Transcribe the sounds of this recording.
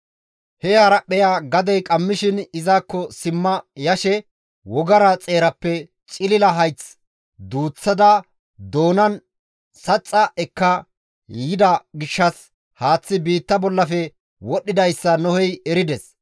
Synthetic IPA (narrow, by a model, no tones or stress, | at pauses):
hɛhɐɾɐʔɛjaːɡɐd̪ɛjkʼɐmːɪʃɪnɪzaːkːɔsɪmːɐjɐʃɛ | wɔɡɐɾɐt͡sʼe̞ːɾɐpːɛ | t͡ʃʼɪlɪlɐɦɐjt͡s | d̪uːt͡sːɐd̪ɐ | d̪o̞ːnɐn | sɐt͡sʼːɐʔɛkːɐ | jɪd̪ɐɡɪʃːɐs | haːt͡sːɪbiːt̪ːɐbɔlːɐfɛ | wɔɗːɪd̪ɐjsːɐnɔhɛjɛɾɪd̪ɛs